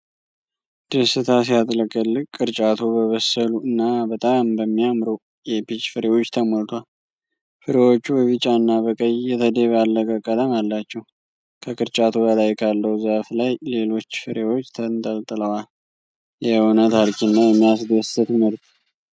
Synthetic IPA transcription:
d̪̥əsɨt̪ʰas̬ijat̪ʼləkʼːəlːɨkkʼːɨɾt͡ʃʼat̪ʰubəβəsəluɨnːabət̪ʼambəmːijamɾo | jɛpit͡ʃfɨɾewo̞t͡ʃːt̪ʰəmolt̪ʰwal | fɨɾe̞wot͡ʃːubəβɨt͡ʃʼanːaβəkʼəjjɛt̪ʰəd̪e̞βalːəkʼəkʼːələmalːat͡ʃːɛw | kʰəkʼɨɾt͡ʃʼat̪ʰubəlajkʰalːəwzaflajle̞lo̞t͡ʃːfɨɾe̞wo̞t͡ʃːt̪ʰənt̪ʼəlt̪ʼɨləwal | jɛhonət̪ʰaɾkʰinːajɛmːijasd̪əsɨt̪ʰɨmɨɾt̪ʰ

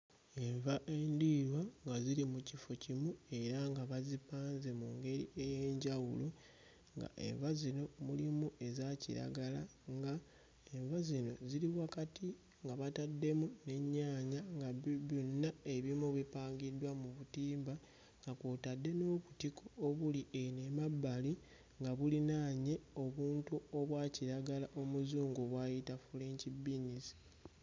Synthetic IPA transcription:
e̞ɱvaʔe̞ndiɾwaŋɡazilimucifo̞cimue̞ɾaŋɡaβazipaːnze̞muːŋɡe̞ɾieje̞ɲɟawulu | ŋɡa̰ʔe̞̰ɱvazino̞mulimuʔe̞zacḭɾa̰ɡalaŋɡa | e̞ɱvazino̞ziɾiwakati | ŋɡaβatadːe̞mune̞ɲːaːɲaŋɡaβbunːae̞βimuβipaːŋɡidːwamuβutiːmba | ŋɡakwotadːe̞no̞ːβutikʰoːβuliene̞mabːali | ŋɡaβulinaːɲe̞o̞βuːntuo̞βwaːciɾaɡalaʔo̞muzuːŋɡoβwajitafuleːɲcibinisi̥

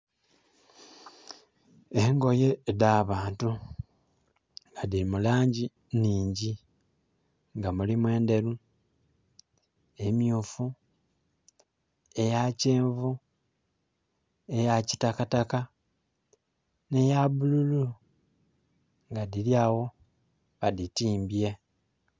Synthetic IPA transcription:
eŋɡo̞je̞daːβaːntu | ŋɡadiimulaːɲɟi | niːɲɟi | ŋɡamulimwe̞ːnde̞ɾu | e̞mjuːfu | e̞jaceːɱvu | e̞jaci̥takataka | ne̞jaβululu | ŋɡadiljaːwo̞ | βaditiːmbje̞

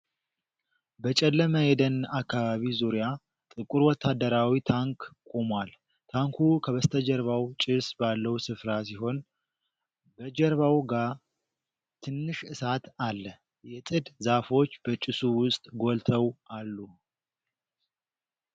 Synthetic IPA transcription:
bət͡ʃʼɛlːəməjɛd̪ənakːaβaβizuɾja | t̪ʼɨkʼuɾwɔt̪ʰːad̪əɾawit̪ʰaŋkkʼomwal | t̪ʰaŋkʰukʰəβəst̪ʰəd͡ʒɛɾβawt͡ʃʼɪsbalːəwsɨfɾas̬iɦo̞n | bəd͡ʒɛɾβawɡa | t̪ʰɨnːɨʃɨsat̪alːə | jɛt̪ʼɨd̪zafo̞t͡ʃːbət͡ʃʼɪsuwʊst̪ʼɡo̞lt̪ʰəwalːu

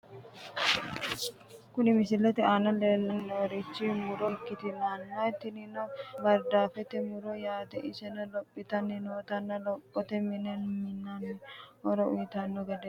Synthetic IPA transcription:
kʊnɪmɪsɪlːɐt̪ɪaːnɐleːlːɐnːɛɔɾɪt͡ʃːimʊɾɔkːɪt̪ɪnanːɐt̪ːɪnɪnɐbɐɾd̪aːfɛt̪ɛmʊɾɔjaːt̪ɛʔɪsɛnɐlɔpʼːɪt̪ɐnːɪnoːt̪ɐnːɐlɔpʼːɔt̪ɛmɪnɛnmɪnːanɔɾɔʊjt̪ɐnːɔɡɛd̪ɛ

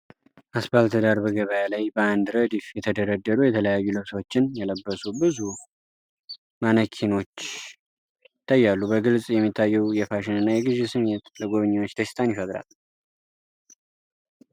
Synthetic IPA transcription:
ʔasbalt̪ʰəd̪aɾbəɡəβəjalajbəand̪ɾəd̪ifjɛt̪ʰəd̪əɾəd̪ːəɾujɛt̪ʰələjajːulɨβt̪ʰo̞t͡ʃːɪnjɛləbːəsubɨzu | manəkʰino̞t͡ʃː | t̪ʰːajːalːubəɡɨlsʼjɛmːit̪ʰːajːɛwjɛfaʃɪnɨnːajɛɡɨzesɨmet̪ləɡoβɨɲːɛwot͡ʃːd̪əst̪ʰʼanjifəd̪ɾa̰l

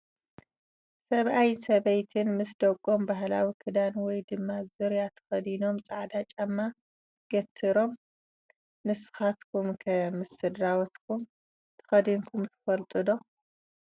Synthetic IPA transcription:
sɐβʔajsɐβɐjt̪ʰɨnmɨsd̪ɐkʼːombaɦla̰wikʰɨd̪anwɔjd̪ɨmːazuɾjat̪ʰɐ̥xɐd̪ino̞mt͡sʼaʕd̪at͡ʃʼamːa | ɡ̥ɐt̪ʰːɨɾo̞m | nɨsɨ̥xat̪kʰumkʰɐmɨsɨd̪ɾawɐt̪kʰum | t̪ʰɨ̥xɐd̪inkʰumt̪ʰɨ̥fɐlt̪ʼɨd̪o̞

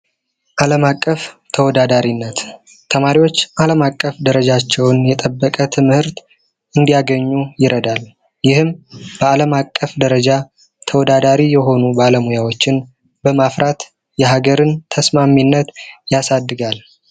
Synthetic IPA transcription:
ʔaləmakʼːəft̪ʰəwɔd̪ad̪aɾinːət̪ | t̪ʰəmaɾiwo̞t͡ʃːʔaləmakʼːəfd̪əɾəd͡ʒat͡ʃːɛwnjɛt̪ʼəbːəkʼət̪ʰɨmhɨɾt̪ | ʔɨnd̪ijaɡəɲːujɪɾəd̪al | jɪhɨmb̥əaləmakʼːəfd̪əɾəd͡ʒa | t̪ʰəwɔd̪ad̪aɾijɛɦo̞nubaləmujawo̞t͡ʃːɪn | bəmafɾat̪ | jɛɦaɡəɾɨnt̪ʰəsmamːinːət̪jasad̪ːɨɡal

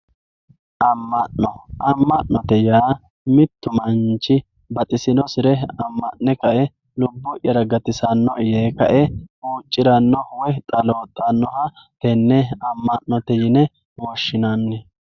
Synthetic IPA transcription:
ʔɐmːɐnːɔʔɐmːɐʔːɔt̪ɛjaː | mɪt̪ːʊmɐnt͡ʃːɪ | bɐt̪ʼɪsɪnɔsɪɾɛɐmːɐnːɛkɐʔɛ | lʊbːɔʔjɐɾɐɡɐt̪ɪsɐnːɔʔjeːkɐʔɛuːt͡ʃʼːɪɾɐnːɔwɔt̪ʼɐlo̞ːt̪ʼːɐnːɔhɐ | t̪ɛnːɛɐmːɐnnɔt̪ɛjɪnɛ | wɔʃːɪnanːɛ

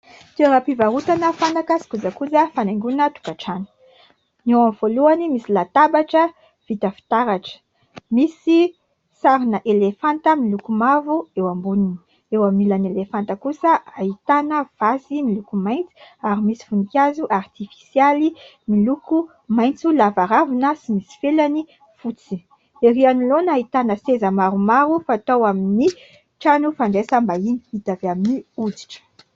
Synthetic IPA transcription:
t̪eɾapivaɾut̪anəfanakasi̥kuzakuzəfanaŋɡunət̪u̥kaʈ͡ʂanə̥ | newamvoluanimisilat̪abaʈ͡ʂə | v̥it̪əfi̥t̪aɾaʈ͡ʂə̥ | misi | saɾinəʔelefant̪əmilukumavuewambunini̥ | ewamilanelefant̪əkusəaɦit̪anəv̥asimilukumajnt͡si̥aɾimisi̥funikʲazuʔart̪ifi̥sjali | miluku | majnt͡sulavaɾavunəsimisi̥felani | fut͡si | eɾianilonait̪anəsezəmaɾumaɾufaːt̪owamini | ʈ͡ʂanufaɳɖ͡ʐesambaini̥it̪avaminiud͡zi̥ʈ͡ʂə̥

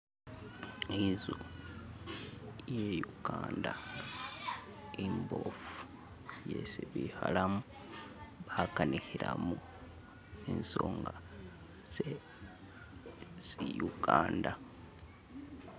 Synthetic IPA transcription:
izu | jejuɡ̥aːnda | imbofu̥ | jesiβihalamu | βakanihiɾamu | ensoːŋɡa | se | sijuɡ̥aːnda

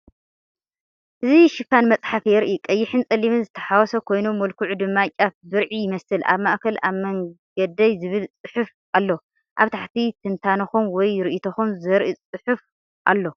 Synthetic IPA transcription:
ʔɨziʃɨkːanmɐt͡sʼħafjɛɾʔikʼɐjːɪħɨnt͡sʼɐlːiβɨnzɨt̪ʰɐ̥ħawɔsɐkʰo̞jnomːɐlkʰuʕud̪ɨmːat͡ʃʼafbɨɾʕijɪmɐsɨlʔa̰βmaʔkʰɐlaβmɐŋɡɐd̪ɐjzɨβɨlt͡sʼɨħɨf | ʔalːo | ʔaβt̪ʰaħt̪ʰit̪ʰɨnt̪ʰanɐxunwɔjɾɨʔit̪ʰɐxumzɐɾʔit͡sʼɨħɨf | ʔa̰lːo̞

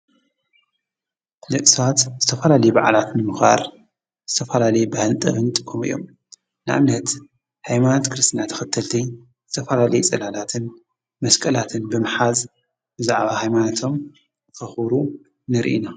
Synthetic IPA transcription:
lɨʔsat̪zɨt̪ʰɐfɐlalɐjubaʕalat̪nɨmɨxa̰ɾ | z̥ɨt̪ʰɐfɐlalɐjbahɨlt̪ʼɐ̰βɨnt̪ʼɨkʰːomɨ̰jːo̞̰m | nɨʔa̰mnɐt̪ | hajmanot̪kʰɨɾɨst̪inat̪ʰɐ̥xɨt̪ʰːɐlt̪ʰi | z̥ɨt̪ʰɐfɐlalɐjut͡sʼɐlalat̪ʰɨn | mɐskʼɐlat̪ʰɨnbɨmħaz | bɨzaʕβahajmanat̪ʰo̞m | kɐxɾu | nɨɾʔḭna

